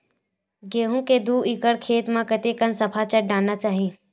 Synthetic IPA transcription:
ɡeːɦũked̪uːɪkəɽkʰeːt̪mãkət̪ekənsɐpʰat͡ʃəʈ̚ɖaːnːat͡ʃaːɦi

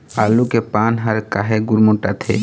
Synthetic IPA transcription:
alukepanɦaɾkaɦeɡuɾmoʈat̪ʰḛ

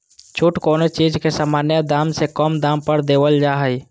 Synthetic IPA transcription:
t͡ʃʰuʈkoːnot͡ʃiːd͡ʒkesaːmaːnjəd̪aːmsekɔmd̪aːmpəɾd̪eːwəld͡ʒaːɦəi

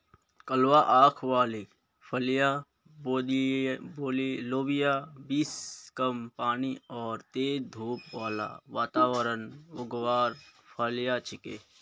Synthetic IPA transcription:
kəlwaʔaːkʰʋaːli | pʰɐlja | o | boːliloːbɪjaːbiːskəmpaːniɔːɾt̪eːd̪ʱuːpʋaːla̰ʋaːt̪aːʋəɾənʊɡʋaːɾpʰaljaːt͡ʃʰɪkḛː

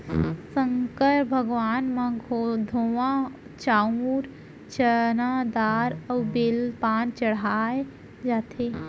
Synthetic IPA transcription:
sə̃ŋkəɾbʱəɡʋaːnmãɡʱod̪ʱowã | t͡ʃaːuɾ | t͡ʃənad̪aːɾəwbelpaːnt͡ʃɐɽ̤aːe | d͡ʒaːt̪ʰe

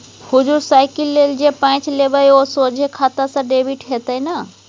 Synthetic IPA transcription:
hud͡ʒuɾsaɪkilːeld͡ʒepãt͡ʃleʋəosod͡ʒʱekʰat̪asãɖebiʈɦet̪əjna

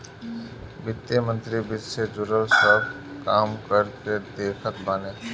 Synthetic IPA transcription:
bɪt̪ːemə̃nt̪ɾibɪd͡ʒsed͡ʒʊɾəlsə | kaːmkəɾked̪eːkʰət̪baːneː

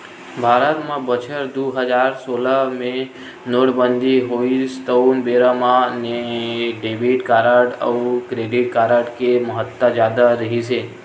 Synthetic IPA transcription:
bʱaɾət̪mãbət͡ʃʰəɾd̪uɦəd͡ʒaɾsoləmẽ | noɽbənd̪ʱiɦoist̪əunbeɾəmãneɖeʋiʈkaɾəʈə̰ukɾeɖiʈ̚kaɾəʈkeməɦət̪ːad͡ʒjad̪aɾəɦit͡ʃʰe

